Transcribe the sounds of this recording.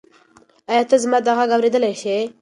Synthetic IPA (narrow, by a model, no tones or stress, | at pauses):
ajɑt̪azmɑd̪aɣaɡawɾed̪əlajʃe